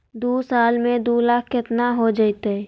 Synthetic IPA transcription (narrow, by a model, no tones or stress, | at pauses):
d̪uːsaːlmẽd̪uːlaːkʰkɪt̪naɦod͡ʒaɪt̪eɛ